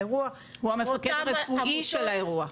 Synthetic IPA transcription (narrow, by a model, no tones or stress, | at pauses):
eʁua | huamefakedaʁefuiʃelaeʁua